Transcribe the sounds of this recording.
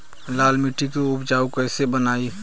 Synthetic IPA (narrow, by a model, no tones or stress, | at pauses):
laːlmiʈikeʊbd͡ʒaːukɛːsebənaːi